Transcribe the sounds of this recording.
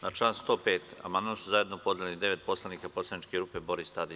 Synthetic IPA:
nat͡ʃlaːnst̪o̞ːpeːt̪a̰mand̪mamsuzaje̞d̪nopo̞d̪jelʲenid̪e̞ʋe̞t̪̚po̞slˠaniːkapo̞slˠanit͡ʃkeɾuːpe̞bo̞ɾist̪ad̪i

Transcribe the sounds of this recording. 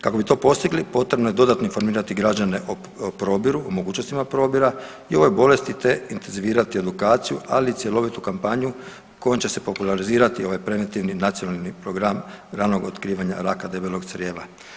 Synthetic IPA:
kako̞bit̪o̞ːpo̞st̪iɡlipo̞t̪ɾe̞bno̞je̞d̪o̞d̪at̪no̞info̞ɾmiːɾat̪iɡɾad͡ʑane̞ʔo | pɾo̞bjiɾuomoɡuːt͡ʃnost̪imapɾo̞biɾa | io̞ʋo̞jbo̞le̞st̪it̪e̞int̪enziʋiːɾat̪ie̞d̪ukaːt̪sijua̰lit̪sje̞lo̞ʋit̪ukampaɲu | ko̞jomt͡ɕe̞se̞po̞pulˠaɾiziːɾat̪io̞ʋajpɾe̞ʋent̪iʋninat̪sijo̞nalˠnipɾo̞ɡɾamɾaːno̞ɡot̪kɾiːʋaɲa̰ɾakad̪e̞belˠoɡsɾje̞ːʋa̰

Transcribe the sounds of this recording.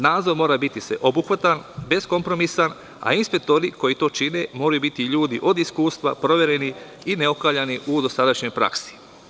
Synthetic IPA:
naːd̪zo̞ɾmo̞ːɾabit̪isḛʔo̞buxʋat̪anbe̞sko̞mpɾo̞misan | a̰inspe̞k̚t̪o̞ɾiko̞jit̪o̞ːt͡ʃine̞mo̞ːɾajubit̪iʎuːd̪iʔo̞d̪iskuːst̪ʋa̰pɾo̞ʋe̞ɾe̞ni | ineo̞kaːlʎaniʔud̪o̞sad̪aʃɲo̞jpɾa̰ksi̥

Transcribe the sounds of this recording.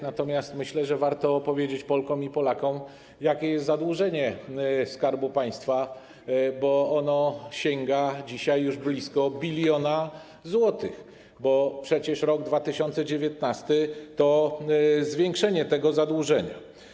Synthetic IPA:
nat̪ɔmʲjast̪mɘɕlɛʐɛvaɾt̪ɔːpɔvʲjed͡ʑet͡ɕpɔlkɔ̃m̃ipɔlakɔ̃w̃ | jakʲɛjɛst̪zad̪wuʐɛɲɛskaɾbupaj̃st̪fa | bɔɔnɔɕɛŋɡad͡ʑiɕajːuʐblʲiskɔbʲilʲjɔna | zwɔt̪ɘx | bɔpʂɛt͡ɕɛʂɾɔɡd̪vat̪ɘɕɔnt̪sɛd͡ʑevʲjɛt̪nast̪ɘt̪ɔ | zvʲjɛŋkʂɛɲɛt̪ɛɡɔzad̪wuʐɛɲa̰

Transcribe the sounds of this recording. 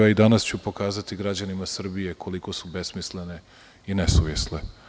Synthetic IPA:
aid̪anast͡ɕupo̞kaːzat̪iɡɾad͡ʑanimasr̩bije̞kʰo̞liko̞sube̞smislene̞ | inesuʋjesle

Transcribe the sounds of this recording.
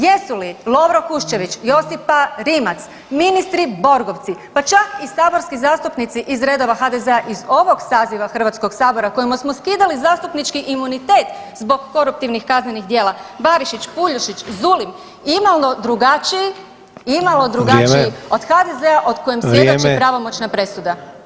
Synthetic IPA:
jesulilˠo̞ʋɾokuʃt͡ʃe̞ʋit͡ʃjo̞sipaɾimat̪s | minist̪ɾibo̞ɾɡoʋt̪sipat͡ʃakisaːbo̞ɾskizaːst̪upnit̪siʔizɾe̞d̪o̞ʋaxad̪eze̞aʔizo̞ʋo̞ɡsaːziʋaxr̩ʋat̪sko̞ɡsaːbo̞ɾako̞jimasmo̞skiːd̪alizaːst̪upnit͡ʃkiʔimunit̪e̞ːt̪ | zbo̞ɡːo̞ɾup̚t̪iʋnixkaznenixd̪jeːlˠabaɾiʃit͡ɕpuʎuʃit͡ɕzulim | imalnod̪ɾuɡat͡ʃiji | imalo̞d̪ɾuɡat͡ʃiio̞d̪̥xad̪eze̞aʔo̞d̪kojemsjed̪ot͡ʃepɾaʋo̞mo̞t͡ʃnapɾe̞sud̪a

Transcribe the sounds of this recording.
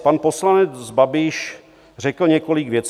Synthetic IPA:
panposlanɛd͡zbabɪʃ | r̝ɛkl̩ɲɛkolɪɡvjɛt͡s

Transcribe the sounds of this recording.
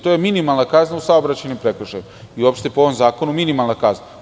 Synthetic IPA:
t̪ojeminimalˠnakaznausaobɾat͡ɕajnimpɾekrʃajum | iuopʃt̪epooʋo̞mzaːko̞numinimalˠnakazna

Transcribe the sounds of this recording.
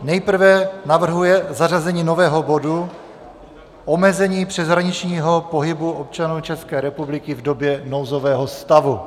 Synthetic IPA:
nɛjpr̩vɛnavr̩ɦujɛzarazɛɲiːno̞vɛːɦo̞bo̞du | ʔomɛzɛɲiːpr̝̥ɛzɦɾaɲɪt͡ʃɲiːɦo̞po̞ɦɪbuʔop̚t͡ʃanuːt͡ʃɛskɛːɾɛpublɪkɪvdo̞bjɛnowzo̞vɛːɦo̞st̪avu

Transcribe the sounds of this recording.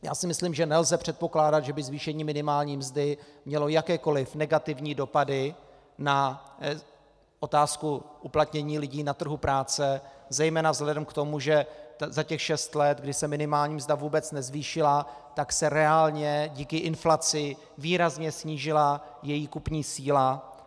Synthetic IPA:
ja̰ːsɪmɪsliːmʒɛnɛlzɛpr̝̥ɛt̪po̞klaːdat̪ʒɛbɪzviːʃɛɲiːmɪnɪmaːlɲiːmzdɪmɲɛlo̞jakɛːko̞lɪfnɛɡat̪ɪvɲiːdo̞padɪ | na | ʔo̞t̪aːskuʔuplat̪ɲɛɲiːlɪɟiːnat̪r̩ɦupɾaːt͡sɛzɛjmɛːnavzɦlɛdɛmkt̪o̞muʒɛzacɛxʃɛst̪lɛt̪ɡdɪsɛmɪnɪmaːlɲiːmzdavuːbɛt͡snɛzviːʃɪlat̪aksɛɾɛaːlɲɛɟiːkɪʔɪnflat͡sɪ | viːɾazɲɛsɲiːʒɪlajɛjiːkupɲiːsiːla

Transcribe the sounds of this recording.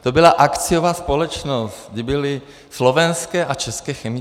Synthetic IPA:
t̪obɪlaʔakt͡sɪjovaːspo̞lɛt͡ʃnost̪ɡdɪbɪlɪ | slo̞vɛnskɛːʔat͡ʃɛskɛːxɛmɪ

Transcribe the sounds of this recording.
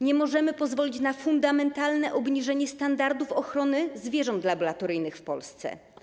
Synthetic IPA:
ɲɛmɔʐɛmɘpɔzvɔlʲit͡ɕnafund̪amɛnt̪alnɛʔɔbɲiʐɛɲɛst̪and̪aɾd̪ufɔxɾɔnɘzvʲjɛʐɔnt̪labɔlat̪ɔɾɘjnɘxfpɔ̰lst̪sɛ̰

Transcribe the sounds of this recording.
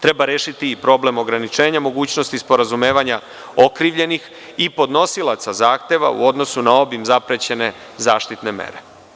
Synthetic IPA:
t̪ɾe̞baɾeːʃit̪iːpɾo̞ble̞mo̞ɡɾanit͡ʃe̞ːɲamo̞ɡuːt͡ɕnost̪ispo̞ɾazume̞ːʋaɲa | okɾiʋʎe̞nix | ipo̞d̪no̞silˠat̪sazaːxt̪e̞ʋa̰ṵo̞d̪no̞sunao̞bimzapɾet͡ɕe̞ne̞ | zaːʃt̪it̪ne̞mḛɾe̞

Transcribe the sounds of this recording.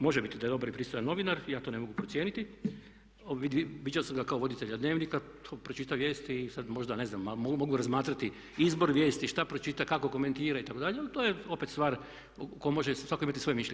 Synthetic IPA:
mo̞ʒebit̪id̪ajedobaɾipɾist̪ojanːo̞ʋinaɾjaːt̪o̞ːne̞moɡupɾo̞tsijeːnit̪i | oʋiiʋid͡ʑaosamɡakaoʋo̞d̪it̪e̞ʎad̪ne̞ːʋnikat̪ʰoːpɾot͡ʃit̪aʋje̞ːst̪iːsad̪mo̞ʒd̪ane̞znamːamomo̞ɡuɾazmaːt̪ɾat̪i | izbo̞ɾʋje̞ːst̪iʃt̪apɾot͡ʃit̪akako̞ko̞ment̪iːɾait̪ako̞d̪aʎealit̪ojeo̞pe̞t̪st̪ʋaːɾ | kojmo̞ʒesʋakoimat̪isʋjemiʃʎe

